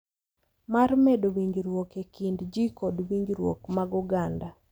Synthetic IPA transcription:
marmedowiɲd͡ʒɾwokekindd͡ʒikodwiɲd͡ʒɾwo̰kmaɡuɡanda

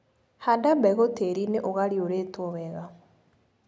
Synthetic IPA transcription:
handabɛɣoteɾineʔoɣaɾioɾetoβɛɣa

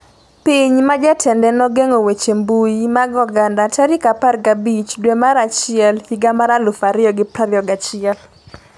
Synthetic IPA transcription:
piɲmad͡ʒatʰɛndɛnɔɡeŋowet͡ʃembujimaɡɔɡandataɾɪkaparɡabit͡ʃdwemaɾat͡ʃɪɛlhiɡamaɾalʊfaɾɪɔɡɪpɾaɾjɔɡat͡ʃɪɛl

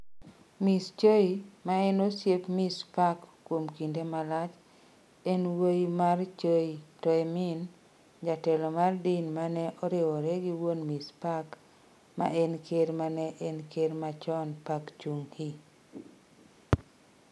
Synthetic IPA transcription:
mist͡ʃoimaɛnosjepmispakːwomkindemalat͡ʃ | ɛnwojmart͡ʃoitɔɛmɪn | d͡ʒatɛlɔmardinmanɛʔɔɾɪwɔɾɛɡiwonmispak | ma̰ɛnkʰeɾmanɛʔɛnkʰeɾmat͡ʃɔnpakt͡ʃuŋhi

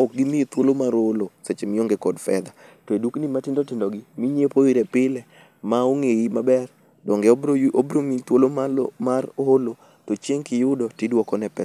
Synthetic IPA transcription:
ɔk̚ɡimɪit̪wolomaɾoloset͡ʃemɪoŋɡekɔdfɛ̰d̪a | toeduknimatɪndotɪndɔɡɪmiɲepoiɾɛpɪlɛ | maoŋeimabɛr | dɔŋɡebobɾomit̪wolomamarolo | tot͡ʃeŋkɪjʊdɔtɪdwɔkɔnɛpɛ

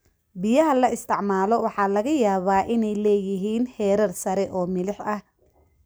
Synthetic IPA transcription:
bɪjɐɦɐlɐɪst̪ʰɪʕmaːlɔwɑħɑːlɐɣɐjaːβaːʔɪnɛjlɛːjɪɦiːnhɛːɾɐrsɐɾɛʔɔːmɪlɪħɐh

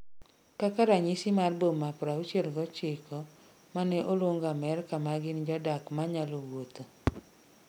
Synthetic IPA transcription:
kakaɾaɲisɪmarbomapɾaut͡ʃelɡɔt͡ʃɪkɔ | manɛʔolwoŋɡamɛrkamaɡɪnd͡ʒɔdakmaɲalowot̪o

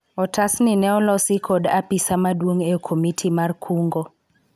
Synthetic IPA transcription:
ɔtasnɪnɛɔlɔsɪkʰodapisamadwoŋeokʰomitʰimarkʰuŋɡo

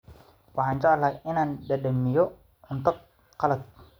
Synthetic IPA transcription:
waɦaɲt͡ʃalainandadəmijo | unt̪ʊk̚ː | alət̪̚

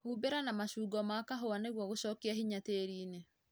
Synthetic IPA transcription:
huːbeɾanamaʃuːɡɔmakaɦoaneɣwɔɣoʃɔːkiaɦiɲateːɾiːne

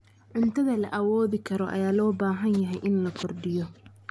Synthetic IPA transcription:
ʕʊnt̪ʰɐðɐlɐʔɐwɔːðɪkʰɐɾɔʔɐ̰jaːlɔːbaːɦɐnjɐɦɛjʔɪnlɐkʰɔrɖɪjɔ

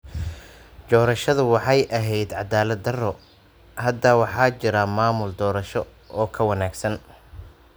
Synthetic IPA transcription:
d͡ʒɔːɾɐʃɐðʊwɑħɑjʔɐɦɛjd̪ʕɑd̪aːlɐd̪ːɐrɔ | hɐd̪ɐwɑħɑːt͡ʃɪɾɐmaːmʊld̪ɔːɾɐʃɔ | ʔɔːkʰɐwɐnaːɡsɐn

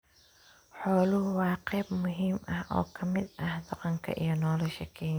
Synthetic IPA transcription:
ħɔːlʊhwɑːqɛːbmʊɦiːmʔɐhʔɔ̰ːkʰɐmɪd̪ɐhd̪ɐqɑŋkʰɐ̰ʔḭjɔnɔːlɔʃɛkʰɛː

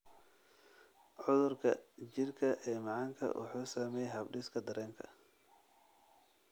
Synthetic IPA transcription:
ʕʊðʊrkʰɐt͡ʃɪrkʰɐʔɛːmɑʕɑːŋkʰɐ̰wʔʊ̰ħuːsaːmɛːjɦɐbɖɪskʰɐd̪ɐɾɛːŋkʰɐ̰

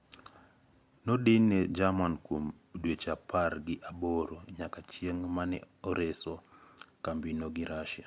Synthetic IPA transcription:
nodɪned͡ʒamankom | dwet͡ʃapʰarɡɪʔaboɾoɲakat͡ʃjeŋmanɛ̰ | ɔɾesɔkambinoɡɪɾaʃja

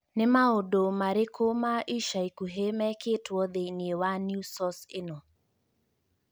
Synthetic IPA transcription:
nɪmaodomaɾɪkʰomaʔiʃaikuɦemɛkʰetwɔðeiniewanjusɔsɪnɔ

